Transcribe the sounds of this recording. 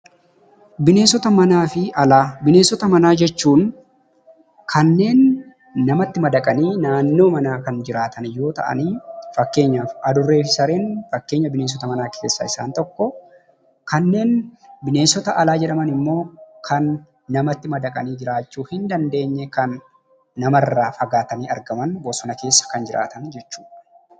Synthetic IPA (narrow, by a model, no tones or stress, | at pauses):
bɪne̞ːnsɔt̪ɐmɐnaːfɪʔɐlaːbɪne̞ːnsɔt̪ɐmɐnaːd͡ʒɛt͡ʃːuːn | kʰɐnːe̞ːnː | ɐmɐt̪ːɪmɐd̪ɐkʼɐniːnaːnːo̞ːmɐnaːkɐnd͡ʒɪɾaːt̪ɐnjo̞ːt̪ɐ̰ʔɐ̰niːfɐkːe̞ːɲːaːfɐd̪ʊrːe̞ːfɪsɐɾeːnfɐkːe̞ːɲːɐbɪneːns̬ɔt̪ɐmɐnaːkʰe̞ːsːɐ̰ɪsa̰ːnt̪ɔkːɔ | kɐnːe̞ːnbɪne̞ːnsɔt̪ɐʔɐlaːd͡ʒɛᶑɐmɐnɪmːo̞ːkʰɐnː | ɐmɐt̪ːɪmɐd̪ɐkʼɐniːd͡ʒɪɾaːt͡ʃːuːhɪnd̪ɐnd̪e̞ːɲːɛkɐnː | ɐmɐrːaːfɐɡaːt̪ɐniːɐɾɡɐmɐnbɔsɔnɐke̞ːsːɐ̥kɐnd͡ʒɪɾʔa̰ːt̪ɐnd͡ʒɛt͡ʃːu̥ːᶑɐ